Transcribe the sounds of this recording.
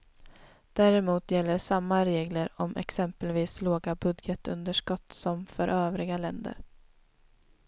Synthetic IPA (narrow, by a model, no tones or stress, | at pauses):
d̪̥æːɾɛmuːt̪jɛl̪ːəʂamːaɾeːɡləɾɔmʔɛ̰ksɛmpəlviːsloːɡabɵd̪jət̪ɵ̰nd̪əʂkɔt̪ːsɔmfœɾʔøːvɾɪɡalɛnd̪ə̰ɾ